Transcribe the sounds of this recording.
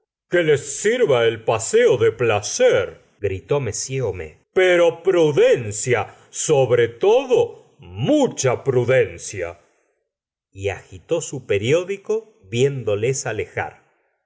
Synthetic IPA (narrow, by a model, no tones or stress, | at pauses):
kelesːiɾβaelpaseoðeplaseɾ | ɡɾit̪o̞mesjeomḛ | peɾopɾuðensja | soβɾet̪oðo | mut͡ʃapɾuðensja̰ | ia̰xit̪o̞supeɾjo̞ðiko | βjend̪olesalexa̰ɾ